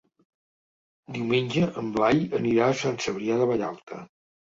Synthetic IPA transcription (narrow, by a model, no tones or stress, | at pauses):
d̪iwmenʲd͡ʒəʔəmblaʎəniɾaəsansəβɾiaðəβəʎa̰lˠt̪ʰə̰